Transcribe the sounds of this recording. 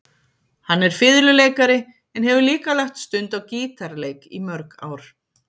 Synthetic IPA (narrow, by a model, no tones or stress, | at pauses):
hanːɛɾ̥fɪðlʏleːjkaɾɪ | ɛnhɛvʏliːkalaxt̪st̪ʏnt̪awciːt̪aɾleːjkḭmœɾka̰ːwɾ̥